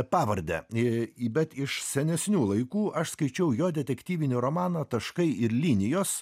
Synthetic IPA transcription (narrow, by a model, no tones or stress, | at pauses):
pɑːʋɐɾʲd̪ʲɛ̰ | bʲɛt̪ɪʃsʲɛnʲɛsʲnʲuːlˠɐɪkuːʔɐʃskɐɪt͡ʃʲɛʊjoːd̪ʲɛt̪ʲɛkʲt̪ʲiːʋʲɪnʲɪɾoːmɑːnɐt̪ɐʃkɐɪʔɪɾlʲiːnʲɪjoːs